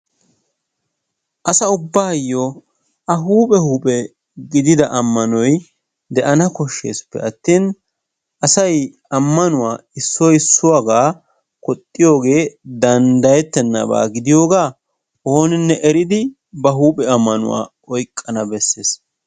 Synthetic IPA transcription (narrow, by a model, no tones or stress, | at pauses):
ʔɐsɐʊbːaːjːo | ʔɐɦuːpʼɛhuːpʼɛ | ɡɪd̪ɪd̪ɐʔɐmːɐnɔj | d̪ɛʔɐnɐkɔʃːḛːspːɛ̰ɐt̪ːiːn | ʔɐsɐj | ɐmːɐnʊwaːɪsːɔjɪsːʊwaɡaː | kɔt̪ʼːɪjo̞ːɡe̞ːd̪ɐnd̪ɐjɛt̪ːɛnːɐ̰ba̰ːɡɪd̪ɪjo̞ːɡaː | oːnɪnːɛʔɛɾɪd̪ɪ | bɐɦuːpʼɛɐmːɐnʊ̰wa̰ː | ɔjkʼːɐnɐbɛsːeːs